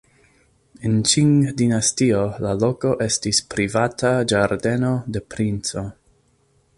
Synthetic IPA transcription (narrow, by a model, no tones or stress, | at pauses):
ent͡ʃiŋdinastio̞lalo̞ko̞ʔe̞stispɾivatad͡ʒaɾde̞node̞pɾint͡so̞